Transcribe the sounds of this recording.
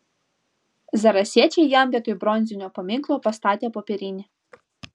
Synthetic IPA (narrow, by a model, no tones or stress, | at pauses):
zɐɾɐsʲɛt͡ʃʲɛjjɑmbʲɐt̪ɔjbɾɔnʲzʲʊnʲɔpɔmʲiklˠɔpɔst̪ɑt̪ʲɐpɔpʲɛɾʲinʲɪ